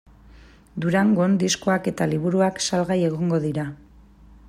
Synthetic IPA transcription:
d̪uɾaŋɡo̞nd̪isko̞ake̞t̪aliβuɾuaksalɣaje̞ɣo̞ŋɡo̞ðiɾa

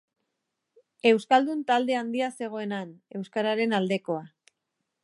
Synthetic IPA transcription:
e̞wskald̪unt̪ald̪e̞and̪iase̞ɣ̞o̞e̞nane̞wskaɾaɾe̞nald̪e̞ko̞a

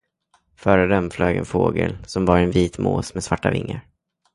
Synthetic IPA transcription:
fœːɾəd̪ɛmfløːɡɛnfoːɡə̰lsɔmvɑɾɛnviːt̪moːsmɛsvaʈːavɪŋːəɾ

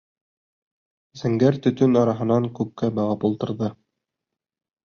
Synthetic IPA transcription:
z̥ɘ̆ŋɡæɾt̪ɵ̆t̪ɵnɑɾɑɦɤ̆nɑŋkʉp̚kæbɑʁɑpulˠt̪ɤ̆ɾðɤ

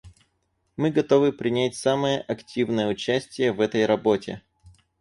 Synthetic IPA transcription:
mɨɡɐt̪o̞vɨpɾʲɪnʲæt̚ʲsaməjəʔɐktʲivnəjəʊt͡ɕæsʲtʲɪjəvɛt̪əjɾɐbo̞tʲɪ̰

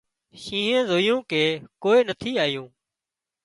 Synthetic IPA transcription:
ʃĩːɦẽːzoːjũːkeːkoːeːnət̪ʰiːaːjũː

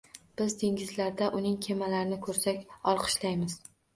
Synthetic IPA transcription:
b̥ɪzd̪eŋʲɪzlaɾd̪aʔʊnɪŋkʲʰe̞malaɾɪnɪkʰɵɾsakʲɒlˠqʰɨ̥ʃlajmɪz̥

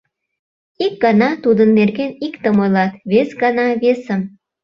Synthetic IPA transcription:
ik̚ɡɑnɑt̪ud̪ənːerɡenikt̪əmojlɑt̪βesɡɑnɑβesəm

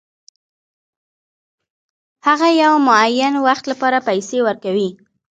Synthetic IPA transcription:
haɣajawmʊajːanwaxt̪lapɑɾapajsewəɾkawi

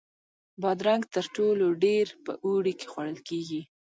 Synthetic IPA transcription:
bɑd̪ɾaŋɡt̪əɾʈoloɖeɾpə̰ʔoɽike̥xwaɽəlkeɡi

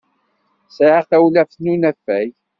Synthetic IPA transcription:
səʕaθæwlæfnunæfːæj

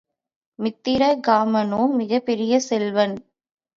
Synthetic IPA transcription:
mɪt̪ːɪɾɐɡaːmɐnoːmɪɣɐpːɛɾɪjɐsɛlʋɐn

